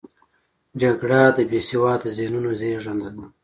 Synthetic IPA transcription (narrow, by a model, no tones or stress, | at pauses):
d͡ʒaɡɽad̪əbesiwɑːd̪əzenunozeːʐand̪an